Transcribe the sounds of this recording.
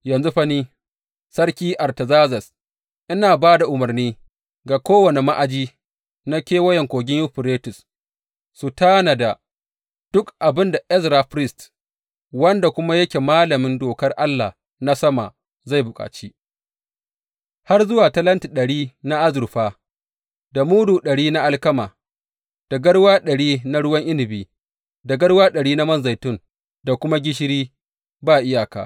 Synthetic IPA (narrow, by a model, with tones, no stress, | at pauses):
jɐ˨nzu˦ɸɐ˦niː˦ | sɐ˦rkʲiː˦ʔa˨rtɐ˨zaː˦zɐ˨s | ʔɪ˦naː˨baː˦da˨ʔʊ˨mɐ˨rniː˦ | ɡa˨kʷoː˦wɐ˨ne˨ma˦ʔa˨d͡ʒiː˦ | na˦kʲeː˦wɐ˦jɛ˨ŋkʷoː˨ɡʲɪ˦jʊ˦ɸɪ˨ɾeː˦tʊ˨sː | u˨taː˦na˨da˨ | d̥ʊ˦kʔa˨bɪ˦nda˨ʔɛ˦sɾa˨ɸɾɪ˦st | wɐ˦nda˨kʷʊ˦ma˦jɐ˦kʲe˨maː˦lɐ˨mɪ˦ndoː˨kɐ˦rʔa˦lːa˨ | na˦sɐ˦ma̰˨ | za˦˨jbʊ˨kʼa̰ː˨t͡ʃiː˦ | ha˦rzʊ˦waː˨tɐ˦lɐ˦nti˨ɗɐ˨ɽiː˦na˦ʔa˦zʊ˨ɾɸaː˦ | da˨muː˦duː˨ɗɐ˨ɽiː˦na˦ʔa˦lkɐ˦maː˨ | d̥a˨ɡɐ˦ɽwaː˦ɗɐ˨ɽiː˦na˦ɽʊ˦wɐ˦ŋʔɪ˦lɪ˨biː˨ | da˨ɡɐ˦ɽwaː˦ɗɐ˨ɽiː˦na˦mɐ˦˨nza˨jtʊ˦˨ŋ | da˨kʷʊ˦ma˦ɡʲɪ˦ʃ̬ɪ˦ɾiː˦ | baː˦ʔɪ˦jaː˨ka̰ː˨